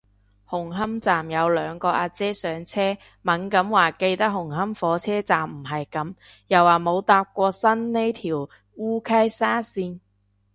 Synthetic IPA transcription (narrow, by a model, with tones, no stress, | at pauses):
hʊ˨˩ŋɦɐ˥mt͡saː˨˩mjɐ˨˧wlœː˨˧ŋkɔː˧ʔaː˧t͡sɛː˥sœː˨˥ŋt͡sʰɛː˥ | mɐ˨˥nkɐ˨˥mwaː˨˩ke˧jt̪ɐ˥k̚hʊ˨˩ŋɦɐ˥mfɔː˨˥t͡sʰɛː˥t͡saː˨˩mm̩˨˩ɦɐ˨jkɐ˨˥m | jɐ˨˩waː˨˩mo˨˧wt̪aː˧p̚kʷɔː˧sɐ˥nne˥jt̪ʰiː˨˩w | uː˥kʰɐ˥jsaː˥siː˧n